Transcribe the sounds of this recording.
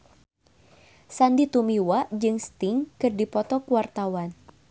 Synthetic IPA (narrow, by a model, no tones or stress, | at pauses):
sandit̪umiwaʔd͡ʒɨŋst̪ɪŋkɨrdipɔt̪ɔkuwart̪awan